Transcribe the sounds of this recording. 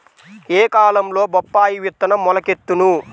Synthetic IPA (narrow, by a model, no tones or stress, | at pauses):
eːkaːlɐmlo̞ːbɔpːaːjiʋut̪ːɐnɐmːɔlɐket̪ːunu